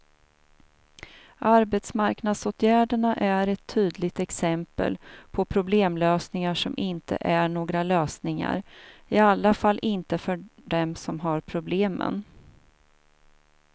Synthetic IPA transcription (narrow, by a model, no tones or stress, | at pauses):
ʔaɾbet̪smaɾknad̪soːt̪ʰjæːɖəɳaʔæɾɛt̪ʰːyːd̪lɪɡt̪ɛksɛmpə̰lpʰɔpʰɾʊbleːmløːsnɪŋaʂɔmʔɪnt̪ʰə̰ʔæɳoːɡɾaløːsnɪŋa̰ɾɪalːafalːʔɪnt̪əfœɖɛmsɔmɦaɾpʰɾʊbleːmə̰n